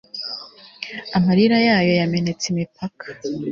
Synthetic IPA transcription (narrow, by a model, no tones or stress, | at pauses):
amaɾiɾajaːjo̞jame̞ne̞t͡simipʰakʰḁ